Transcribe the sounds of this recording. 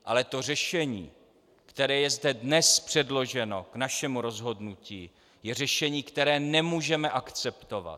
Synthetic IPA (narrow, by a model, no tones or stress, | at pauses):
ʔalɛt̪o̞r̝ɛʃɛɲḭː | kt̪ɛɾɛːjɛzdɛdnɛspr̝̥ɛdlo̞ʒɛno̞knaʃɛmuɾo̞zɦo̞dnuciː | jɛr̝ɛʃɛɲiːkt̪ɛɾɛːnɛmuːʒɛmɛʔakt͡sɛpt̪ova̰t̪